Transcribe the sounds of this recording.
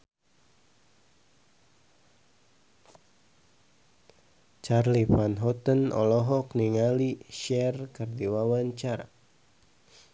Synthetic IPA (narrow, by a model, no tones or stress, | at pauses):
t͡ʃarlifanɦɔt̪ənɔ̰lɔɦɔkniŋaliʃɛrkərdiwawaɲt͡ʃaɾa̰